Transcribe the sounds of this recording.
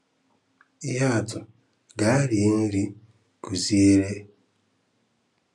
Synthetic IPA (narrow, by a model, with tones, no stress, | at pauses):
i˦ja˦˨tʊ˨ | ɡa˨˦ɾi˨˦n̩˦li˦ | ku˨zi˦e˦ɾe˦